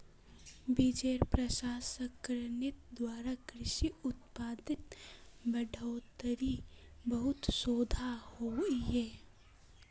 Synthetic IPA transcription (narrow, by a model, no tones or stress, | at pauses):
bid͡ʒeɾpɾəʃaːsəkɾənɪt̪̚d̪waːɾakɾɪʃiʊt̪̚paːd̪ɪt̪bəɖʱəːt̪əɾibəɦʊt̪soːd̪ʱahoɡiɦɛː